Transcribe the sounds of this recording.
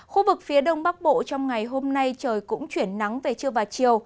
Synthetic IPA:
xu˧vɨ˨˩k̚fi˨˦əɗə˧wŋ͡mɓa˦˥k̚ɓo̰˧˨t͡ɕɔ˧wŋ͡mŋa˨˩jɦo˧mna˧jt͡ɕəː˨˩jkʊ̰˧˥ŋ͡mt͡ɕwi˧˩ənːa˨˦ŋve˨˩t͡ɕɨ˧əvaː˨˩t͡ɕi˨˩əw

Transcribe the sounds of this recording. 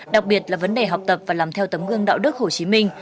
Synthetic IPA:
ɗa˨˩k̚ɓi˨˩ət̚laː˨˩və˨˦nɗe˨˩ɦa˨˩wk͡p̚t̪ə˨˩p̚vaː˨˩laː˨˩mt̪ʰɛ˧wt̪ə˨˦mɣɨ˧əŋɗa̰ː˧˨wɗɨ˦˥k̚ho˧˩t͡ɕi˨˦mï˧ŋ̟

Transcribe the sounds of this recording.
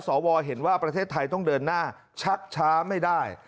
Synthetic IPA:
sɔː˩˦wɔː˧ɦe˩˦nwaː˥˩pɾa˧t̪ʰeː˥˩t̪ʰːa˧jt̪ɔ˥˩ŋdɤː˧nːaː˥˩ | t͡ɕʰa˦˥k̚t͡ɕʰaː˦˥ma˥˩jdaː˥˩j

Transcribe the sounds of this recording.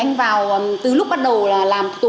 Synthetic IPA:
a˧jŋ̟vaː˨˩wt̪ɨ˨˩lʊ˦˥k͡p̚ɓa˦˥t̚ɗə˨˩wlaː˨˩laː˨˩mt̪u˨

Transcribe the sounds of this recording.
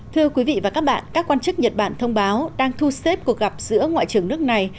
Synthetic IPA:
t̪ʰɨ˧əkwi˨˦vḭ˧˨vaː˨˩kaː˦˥k̚ɓa̰ː˧˨nkaː˦˥kːwaː˧nt͡ɕɨ˦˥k̚ɲə˨˩t̚ɓaː˧˩nt̪ʰə˧wŋ͡mɓaː˨˦wɗaː˧ŋt̪ʰu˧se˦˥p̚ku˨˩ək̚ɣa˨˩p̚z̥ɨ̰˧˥əŋwa̰ː˧˨jt͡ɕɨ˨˩əŋnɨ˦˥ək̚na˨˩j

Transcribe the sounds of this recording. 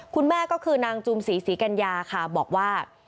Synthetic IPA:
kʰu˧nmɛː˥˩kɔː˥˩kʰɯː˧naː˧ŋt͡ɕu˧msiː˩˦siː˩˦ka˧njaː˧kʰa˥˩bɔː˨˩k̚waː˥˩

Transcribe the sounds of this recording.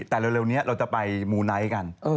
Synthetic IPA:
t̪ɛː˨˩le˧wɾe˧wni˦˥ɐɾʔa˧wt͡ɕa˨˩pa˧jmuː˧na˦˥jka˧nʔɤː˧

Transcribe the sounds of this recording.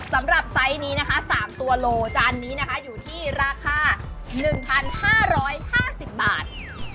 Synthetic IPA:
sa˩˦mɾa˨˩p̚sa˦˥jniː˦˥na˦˥kʰa˦˥saː˩˦mt̪u˧ɐloː˧t͡ɕaː˧nːiː˦˥na˦˥kʰa˦˥juː˨˩t̪ʰiː˥˩ɾaː˧kʰaː˧ | nɯ˨˩ŋpʰa˧nhaː˥˩ɾɔː˦˥jhaː˥˩si˨˩p̚ba̰ː˨˩t̪̚

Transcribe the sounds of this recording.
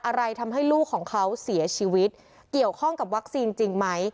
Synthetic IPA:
ʔa˧ɾa˧jt̪ʰa˧mɦa˥˩jluː˥˩kʰːɔː˩˦ŋkʰa˦˥wsi˩˦t͡ɕʰiː˧wi˦˥t̪̚ | ki˨˩əwkʰɔ˥˩ŋka˨˩p̬̚wa˦˥k̚siː˧nt͡ɕi˧ŋma˦˥j

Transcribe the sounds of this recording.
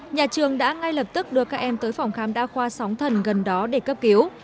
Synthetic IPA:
ɲaː˨˩t͡ɕɨ˨˩əŋɗa̰ː˧˥ŋa˧jlə˨˩p̚t̪ɨ˦˥k̚ɗɨ˨˧˩əkaː˦˥k̚ʔɛ˧mt̪əː˨˦jfa˨˩wŋ͡mxaː˨˦mɗa̰ː˧˥xwaː˧sa˨˦wŋ͡mt̪ʰə˨˩nɣə˨˩nɗɔ˨˦ɗe˧˩kə˦˥p̚ki˨˦əw

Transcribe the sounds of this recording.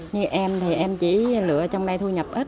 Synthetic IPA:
ɲɨ˧ʔɛ˧mt̪ʰi˨˩ʔɛ˧mt͡ɕḭ˧˥lɨ̰˧˨ət͡ɕɔ˧wŋ͡mna˧jt̪ʰu˧ɲə˨˩p̚ʔə˦˥t̚

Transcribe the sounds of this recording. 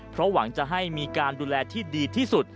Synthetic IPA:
pʰɾɔ˦˥wa˩˦ŋt͡ɕa˨˩ɦa˥˩jmiː˧kaː˧nduː˧lɛː˧t̪ʰiː˥˩diː˧t̪ʰiː˥˩su˨˩t̪̚

